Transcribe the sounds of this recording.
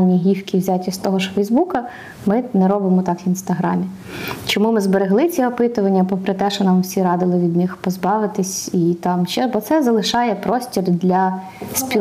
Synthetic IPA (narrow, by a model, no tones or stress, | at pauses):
nʲiɦʲiwkʲiwzʲatʲist̪ɔɦɔʒfɛjzbukɐ | mɪnɛɾɔbɪmɔt̪ɑkʋʲinst̪ɐɦɾɑ̰mʲi | t͡ʃɔmumɪzbeɾeɦlˠɪt͡sʲiɔpɪt̪ʊʋɐnʲːɐpɔpɾɪt̪ɛʃɔnɑmwsʲiɾɑd̪ɪlˠɪʋʲid̪nɪxpɔzbɑʋɪt̪ɪsʲit̪ɑmʃɛbɔt̪sɛzɐlˠɪʃɑjɛpɾɔsʲtʲird̪lʲɐ | sʲpʲi